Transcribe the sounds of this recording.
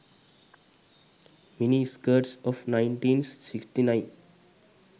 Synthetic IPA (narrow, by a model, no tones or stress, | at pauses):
miniskəɾʈsɔfnãɪ̃ɳʈĩːnssɪksʈinãɪ̃n